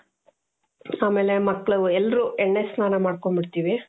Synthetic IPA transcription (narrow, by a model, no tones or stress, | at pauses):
aːmeːlemɐkːɭɐʋuɛlːɾuːʔɛɳːesnaːnɐmaːɽkoɳbiɽt̪iːʋi